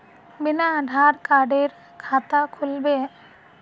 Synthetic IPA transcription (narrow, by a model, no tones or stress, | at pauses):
binaɖʱaɾkaɖeɾ | kʰat̪akʰulbe